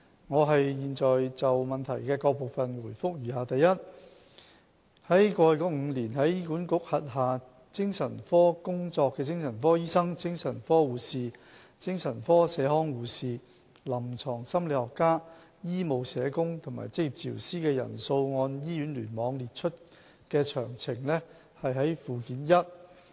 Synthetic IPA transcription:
ŋɔː˨˧ɦɐ˨jːiː˨nt͡ʃɔː˨jt͡sɐ˨wmɐ˨nt̪ʰɐ˨˩jkɛː˧kɔː˧k̚po˨˩wfɐ˨nwuː˨˩jfʊ˥k̚jiː˨˩ɦaː˨˧t̪ɐ˨jːɐ˥t̚ | hɐ˨˥jkɔː˧˨˧kɔ˨˥wŋ̩˨˧liː˨˩nɦɐ˨˥jiː˥kuː˨˥nkʊ˨˥k̚hɐ˨t̚ɦaː˨ | t͡sɪ˥ŋsɐ˨˩nfɔː˥kʊ˥ŋt͡sɔː˧kːɛː˧t͡sɪ˥ŋsɐ˨˩nfɔː˥jiː˥sɐ˥ŋt͡sɪ˥ŋsɐ˨˩nfɔː˥wuː˨siː˨ | t͡sɪ˥ŋsɐ˨˩nfɔː˥sɛː˨˧hɔː˥ŋwuː˨˧siː˨˩ | lɐ˨˩mt͡sʰɔː˨˩ŋsɐ˥mle˨˧hɔː˨kːaː˥ | jiː˥mo˨wsɛː˨˧kʊ˥ŋt̪ʰʊ˨˩ma̰ː˨˩jt͡sɪ˥k̚ji˨p̚t͡sʰiː˨˩wsiː˥kɛː˧jɐ̰˨˩nso˧wŋɔː˧njiː˥jyː˨˥nlyː˨˩nmɔː˨˧ŋliː˨t̚t͡ʃʰɵ˥t̚ | kɛː˧t͡ʃʰœː˨˩ŋt͡sʰɪ˨˩ŋlɛ˥ | hɐ˨jɦɐ˨˥jfuː˨kiː˨˥njɐ˥t̚

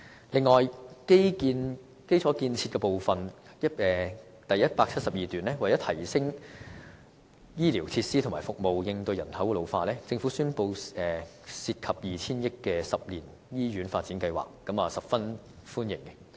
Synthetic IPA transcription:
lɪ˨˧ŋːɔː˨jke˥jkiː˧n | ke˥jt͡sʰɔ˨˥kiː˧nt͡sʰiː˧t̚kɛː˧po˨wfɐ˨n | jɐ˥ɛː˨ | t̪ɐ˨jɐ˥t̚paː˧k̚t͡sʰɐ˥t̚sɐ˨p̚jiː˨t̪yː˨˩nlɛː˥wɐ˨˩jɐ˨˥t̪ʰɐ˨˩jsɪ˥ŋ | jiː˥liː˨˩wt͡sʰiː˧t̚siː˥tʰʊ˨˩ŋmaː˨˩fʊ˨k̚mo˨wjɪ˧ŋt̪ɵ˧ɥjɐ˨˩nhɐ˨˥wkɛː˧lo˨˧wfaː˧lɛː˥t͡sɪ˧ŋfu˨˥syː˥npo˧wɛː˨ | siː˧t̚kʰɐ˨p̚jiː˨t͡sʰiː˥njɪ˥kːɛː˧sɐ˨p̚liː˨˩n | jiː˥ɥyː˨˥nfaː˧t̚t͡si˨˥nkɐ˧jwa̰ː˨˩kːɐ˨˥mɐː˨sɐ˨p̚fɐ˥n | fuː˥njɪ̰˨˩ŋɛ

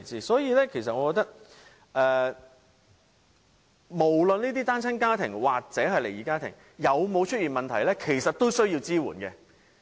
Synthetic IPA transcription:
t͡siː˨sɔː˨˥jiː˨˧lɛː˥kʰe˨˩js̬ɐ˨t̚ɔː˨˧kɔː˧k̚t̪ɐ˥k̚ | ʔɛː˨˧ | mo˨˩wlɵ˨niː˥t̪̬iː˥t̪aː˥nt͡sʰɐ˥nkaː˥t̪ʰɪ˨˩ŋwaː˨k̚t͡sɛː˨˥ɦɐ˨jle˨˩jiː˨˥kaː˥t̪ʰɪ̰˨˩ŋ | jɐ˨˧wmo˨˧wt͡ʃʰɵ˥t̚jiː˨˩nmɐ˨nt̪ʰɐ˨˩jlɛː˥kʰe˨˩jsɐ˨t̚t̪o˥wsɵ˥ɥjiː˧wt͡siː˥wṵː˨˩nkɛ˧

